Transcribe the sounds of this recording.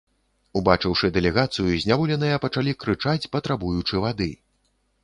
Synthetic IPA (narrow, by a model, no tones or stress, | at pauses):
ubat͡ʂɨwʂɨd̪ɛlʲɛɣat̪sɨjuzʲnʲavɔlʲɛnɨjɐpɐt͡ʂalʲikɾɨt͡ʂat͡sʲpɐt̪ɾabujut͡ʂɨvad̪ɨ